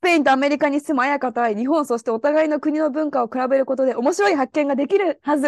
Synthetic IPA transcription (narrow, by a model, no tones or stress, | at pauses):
peĩnt̪oame̞ɾʲikaɲ̟isemoajakat̪aiɲ̟iɦõ̞ɰ̃so̞ɕi̥t̪eo̞t̪aɡaino̞kɯ̟ɲ̟inobɯ̟̃ŋkaokɯ̟ɾabe̞ɾɯ̟ko̞t̪o̞d̪e̞o̞mo̞ɕiɾo̞iɦakːẽ̞ŋɡad̪e̞kʲiɾɯ̟hazɨ